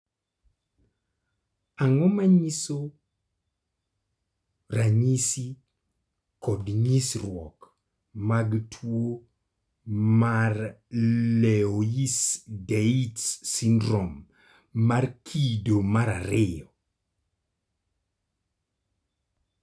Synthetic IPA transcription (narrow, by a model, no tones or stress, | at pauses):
aŋɔmaɲiso | ɾaɲisi | kɔdɲisɾwɔk | maɡtʰwo | mar | lɛojisdeitsindɾɔmː | arkʰidomaɾaɾɪɔ